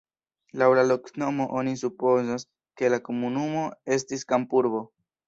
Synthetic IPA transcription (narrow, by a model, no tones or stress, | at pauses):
lawlalo̞kno̞mo̞ʔonis̬upo̞zas | ke̞lako̞munumo̞e̞stiskampuɾbo̞